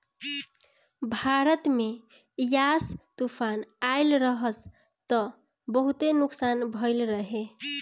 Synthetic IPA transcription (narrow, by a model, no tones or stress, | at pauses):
bʱaɾət̪me | jast̪upʰanaɪlɾəɦəs | t̪ʌ | bəɦut̪enuksanbʱəjlɾəɦe